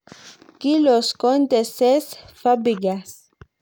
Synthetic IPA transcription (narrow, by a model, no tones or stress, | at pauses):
kiloskont̪esesfabiɡas